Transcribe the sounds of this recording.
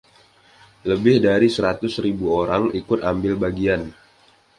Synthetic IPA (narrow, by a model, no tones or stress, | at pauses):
ləbɪhdaɾisəɾat̪ʊsɾibuoɾaŋikʊt̪ambɪlbaɡian